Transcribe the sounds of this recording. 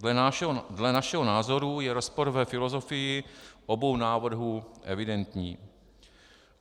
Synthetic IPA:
dlɛnaʃɛɦonaːzo̞ɾujɛɾo̞spo̞ɾvɛfɪlo̞zo̞fɪjɪʔobo̞wnaːvr̩ɦuːʔɛ̰vɪdɛnt̪ɲiː

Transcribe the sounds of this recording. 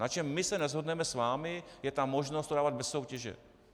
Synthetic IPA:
nat͡ʃɛmːɪsɛnɛzɦodnɛmɛsvaːmɪjɛt̪amːo̞ʒnost̪odaːvad̪̚bɛsːo̞wcɛʒɛ̰

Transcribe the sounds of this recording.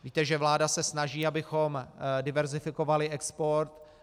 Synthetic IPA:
viːt̪ɛʒɛvlaːdasɛsnaʒiːabɪxo̞mdɪvɛɾzɪfɪko̞valɪʔɛkspo̞ɾt̪

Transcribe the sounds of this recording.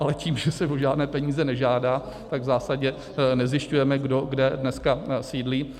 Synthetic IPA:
ʔalɛciːmʒɛsɛvoʒaːdnɛːpɛɲiːzɛnɛʒaːdaː | t̪aɡvzaːsaɟɛ | nɛzjɪʃcujɛmɛɡdoɡdɛdnɛskasiːdliː

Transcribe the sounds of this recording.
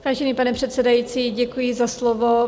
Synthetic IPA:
v̥aːʒɛniːpanɛpr̝̥ɛt̪sɛdajiːt͡siːɟɛkujɪzaslovo

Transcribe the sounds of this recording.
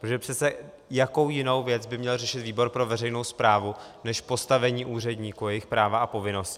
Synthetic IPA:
oʒɛpr̝̥ɛt͡sɛ | jako̞wjɪno̞wvjɛt͡sbɪmɲɛlrɛʃɪt̪viːbo̞ɾpɾo̞vɛrɛjno̞wspɾaːvunɛʃpo̞st̪avɛɲiːʔuːr̝ɛdɲiːkujɛjɪxpɾaːvaʔapo̞vɪno̞sc

